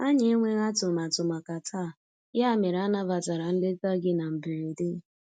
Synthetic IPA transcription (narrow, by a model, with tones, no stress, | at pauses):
a˦ɲe˦e˦ŋʷe˦ɣa˦tʊ˨ma˨tʊ˨ma˨ka˨tʰa˦˨ | ja˦˨me˨ɾa˦na˦va˨ta˨ɾa˨n̩˦dɪ˦ta˦ɡɪ˦na˨m̩˨be˨ɾe˨de˦˨